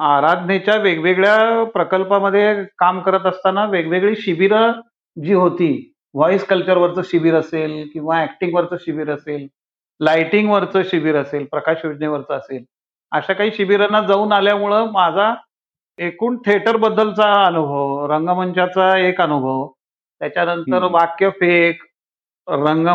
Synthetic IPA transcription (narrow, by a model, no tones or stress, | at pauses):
aɾad̪ʱnet͡ɕjaʋeɡʋeɡɭjapɾəkəlpaməd̪ʱːjekamkəɾət̪əst̪anaʋeɡʋeɡɭiːɕiʋiɾ | d͡ʑiːɦot̪iː | ʋɔiskəlt͡ɕəɾʋəɾt͡səːɕiʋiːɾəselkĩw̃ʋaæk̚ʈiŋɡʋəɾt͡səːɕiʋiɾəsel | lajʈiŋɡʋəɾt͡səːɕiʋiːɾəselpɾəkaɕjod͡ʑneʋəɾt͡səːsel | əɕakaɦiːɕiʋiɾanːad͡zauːnaljamuɭəmad͡zʱa | ekuːɳʈʰeʈəɾbəd̪ʱːəlt͡saənubʱəʋɾəŋɡəmənt͡ɕat͡saekənubʱəʋ | t̪jat͡ɕjanəntəɾʋakjəfek | ɾəŋɡ